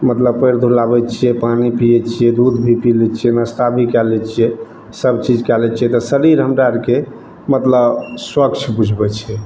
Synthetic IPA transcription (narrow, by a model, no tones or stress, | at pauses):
mət̪ləbpəjɾd̪ʱulabɛt͡ʃʰijɛpanipijɛt͡ʃʰijɛd̪ud̪bʱipilɛt͡ʃʰijɛnəst̪abʱikɛlɛt͡ʃʰijɛ | səbt͡ʃid͡ʒkɛlɛt͡ʃʰijɛt̪ɔsəɾiɾɦəmɖaɾke | mət̪ləbswəkt͡ʃʰbud͡ʒʱbɛt͡ʃʰiɛ